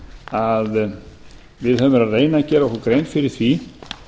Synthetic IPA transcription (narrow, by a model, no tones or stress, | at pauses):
að | vɪðɦœmʏɾaðreːjnacɛːɾaɔkɔkɾejnt̪fɪɾɪɾ̥θvi